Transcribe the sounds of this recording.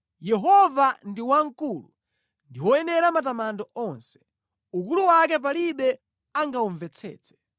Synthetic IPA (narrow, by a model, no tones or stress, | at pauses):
jɛɦɔvandiwaŋ̩kulṵ | ndiwɔjɛnɛɾamatamandɔʔɔnsɛ̥ | uk̬uluwak̬ɛp̬aliɓɛ | aŋɡauɱvɛt͡sʰɛ̰ːt͡sʰɛ̥